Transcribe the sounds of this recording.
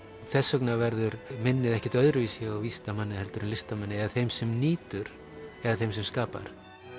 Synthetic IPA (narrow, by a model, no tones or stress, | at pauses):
θɛsːœknavɛɾðʏɾmɪnːɪðɛhcɛt̪œðɾʏvisjɛɣawviːst̪amanːɪhɛlt̪ʏɾʏnlɪst̪amanːɪɛðaθejmsɛmniːt̪ʏɾ̥ | ɛðaθejmsɛmskaːpa̰ɾ̥